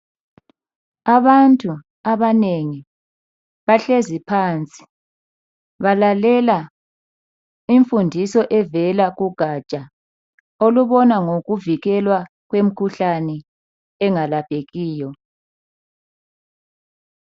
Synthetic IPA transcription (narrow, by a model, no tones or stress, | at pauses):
aβantʼu | aβaneŋi | βaɬezipʰant͡sʼi̥ | βalalɛla | iɱfundʱisɔʔɛvɛlaɣuɡ̥ʱat͡ʃʼa | oluβɔnaŋoɣuviɣɛlwa | ɣwem̩kʰuɬanɛ | ɛŋalapʼeɣiːjɔ